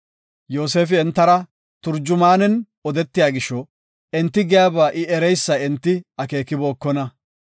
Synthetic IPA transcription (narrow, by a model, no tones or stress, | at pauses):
jo̞ːs̬e̞ːfɪɛnt̪ːɐɾɐ | t̪ʊɾd͡ʒʊmaːnɛn | ɔd̪ɛt̪ːɪjaːɡɪʃɔ | ɛnt̪ːɪɡɪjaːbaːʔɪɛɾɛjsːɐɛnt̪ːɪɐke̞ːkːɪbo̞ːkːɔnɐ